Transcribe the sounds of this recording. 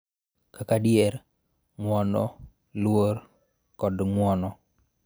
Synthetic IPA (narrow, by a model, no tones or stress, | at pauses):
kakadɪɛɾ | ŋwɔnɔ̰ | lwor | kɔdŋwɔnɔ